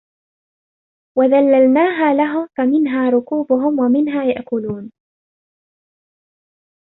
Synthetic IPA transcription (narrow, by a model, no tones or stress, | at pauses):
waðalːalnaːɦaːlaɦʊfamɪnɦaːɾˤʊkuːbʊɦʊmwamɪnɦaːjaʔkʊluːn